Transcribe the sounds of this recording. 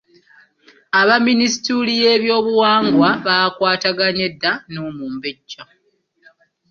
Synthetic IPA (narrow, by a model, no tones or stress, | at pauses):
aβaminisi̥tulije̞ːβjo̞ːβuwaːŋɡwaβaːkwaːtaɡaɲe̞dːanumuːmbeɟːa